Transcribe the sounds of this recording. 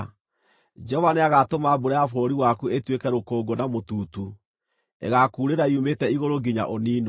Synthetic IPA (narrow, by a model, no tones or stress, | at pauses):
d͡ʒɔvaneaɣatomaːbuɾajafoɾiwakuetwekɛɾokoːɡonamotuːtu | ḛɣakuːɾeɾaiumetɛiɣoɾoɡiɲa̰ʔoniːno